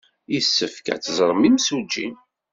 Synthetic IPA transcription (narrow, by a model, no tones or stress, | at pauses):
isːəfkæ̰t͡sːzˤɾˤmimsud͡ʒːi